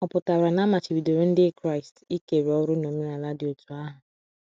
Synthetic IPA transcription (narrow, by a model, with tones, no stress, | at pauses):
ɔ˨pʊ˨ta˨wɾa˨na˦ma˨t͡ʃɪ˨bi˨do˨ɾe˦n̩˦dɪ˦kɾa˦ɪ˨sti˦ke˨ɾe˨ɔ˦ɾʊ˦no˨me˦la˨la˦dɪ˨o˨tʰu˨a˦ɦʊ˨